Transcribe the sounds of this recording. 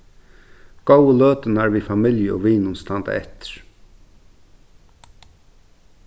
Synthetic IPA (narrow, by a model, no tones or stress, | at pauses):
ɡ̥oʊəløːt̪ənəæːɹʋiːfɑmɪljəo̰ːʋiːnʊnst̪ɑnd̪a̰ɛt̪ə̥ɹ